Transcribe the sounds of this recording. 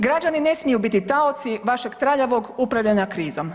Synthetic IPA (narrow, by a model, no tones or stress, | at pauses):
ɡɾad͡ʒanine̞smijubit̪it̪aot̪siʋaʃe̞ɡt̪ɾaʎaʋo̞ɡupɾaʋʎaɲakɾiːzom